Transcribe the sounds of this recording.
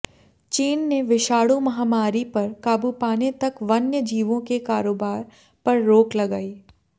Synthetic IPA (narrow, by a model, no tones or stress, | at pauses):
t͡ʃiːnːeʋɪʃaːɽumɐɦaːmaːɾipɐɾkaːbupaːnet̪ɐkʋɐnjəd͡ʒiːʋõkekaːɾoːbaːɾ | pɐɾːoːklɐɡaːiː